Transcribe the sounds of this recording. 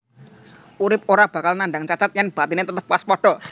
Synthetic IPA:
ʔuɾɪp̚oɾab̥a̤kalnanɖaŋt͡ʃat͡ʃat̪̚janb̥at̪inet̪ət̪əp̚waspɔɖ̥ɔ̤

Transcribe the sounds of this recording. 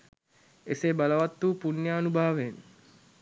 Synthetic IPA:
eseːbaləʋat̪ːuːpunjaːnubaːʋen

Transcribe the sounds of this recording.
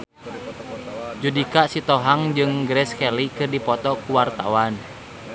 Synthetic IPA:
d͡ʒudikaʔsit̪ɔɦaŋd͡ʒɨŋɡɾɛskɛlikɨrdipɔt̪ɔkuwart̪a̰wan

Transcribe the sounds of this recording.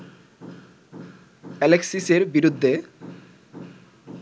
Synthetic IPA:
ɛleksiseɾbiɾud̪ʱːe

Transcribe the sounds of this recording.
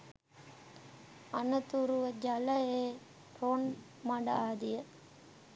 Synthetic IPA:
ɐnɐt̪uɾuʋɐd͡ʒɐlɐeː | ʈʰoːn | mɐɽɐaːd̪ɪjɐ

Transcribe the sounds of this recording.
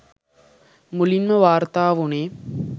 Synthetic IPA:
mulinməʋaːɾt̪aːʋuneː

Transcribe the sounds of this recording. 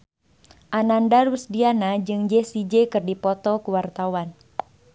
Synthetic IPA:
ʔanandarwəsdianad͡ʒɨŋd͡ʒɛsid͡ʒekɨrdipɔt̪ɔkuwart̪awan

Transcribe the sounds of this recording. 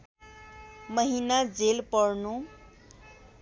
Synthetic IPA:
mʌɦinad͡zelpʌrnu

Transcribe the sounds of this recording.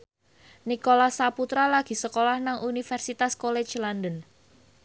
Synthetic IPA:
nikolasaput̪ɾalaɡ̥i̤səkolahnaŋʔunifɛrsit̪askolet͡ʃlandən

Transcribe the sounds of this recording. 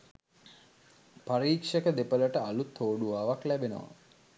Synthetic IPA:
paɾiːkʂəkəd̪epələʈəalut̪ʰːoːɖuʋaːʋaklæbenə̰ʋa̰

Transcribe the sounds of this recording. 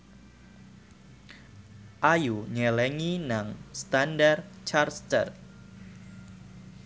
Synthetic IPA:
ʔajuɲɛlɛŋinaŋst̪andart͡ʃarst̪ə̰r

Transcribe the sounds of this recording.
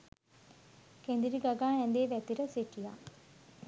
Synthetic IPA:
kend̪iɾiɡaɡaːɛnd̪eːʋæt̪iɾəseʈija

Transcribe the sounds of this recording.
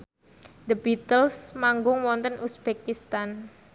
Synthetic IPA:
d̪əb̥it̪əlsmaŋɡʊŋwɔnt̪ənʔusb̥ekist̪an

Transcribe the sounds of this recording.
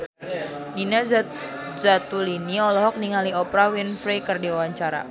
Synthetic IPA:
ninaz | zat̪uliniɔlɔɦɔk̚niŋaliɔpɾawinfɾejkərdiawaɲt͡ʃaɾa̰

